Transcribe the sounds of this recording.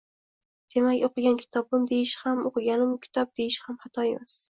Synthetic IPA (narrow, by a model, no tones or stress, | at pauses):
d̪̥e̞makʲoqɨɡʲankʲʰɪ̥t̪ʰɒbɪmd̪e̞jɪʃhamoqɨɡʲanɪmkʲʰɪ̥t̪ʰɒp̚d̪̥e̞jɪʃhamhat̪ʰɒe̞mʔas